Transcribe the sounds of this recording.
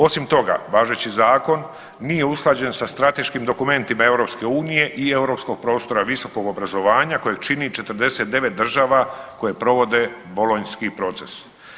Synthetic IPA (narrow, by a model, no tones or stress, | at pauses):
o̞simt̪o̞ɡa̰ʋaːʒet͡ɕizaːko̞nː | ije̞usklˠaːd͡ʑe̞nsast̪ɾat̪e̞ʃkimd̪o̞kume̞nt̪imae̞wɾo̞pske̞uːnije̞ʔie̞uɾo̞psko̞ɡ̚pɾo̞ːst̪o̞ɾaʋiso̞ko̞ɡo̞bɾazo̞ʋaːɲako̞jeɡt͡ʃinit͡ʃe̞t̪r̩d̪e̞se̞t̪̚d̪e̞ʋe̞t̪̚d̪r̩ʒaːʋako̞jepɾo̞ʋo̞d̪e̞bolo̞ɲskipɾo̞t̪se̞s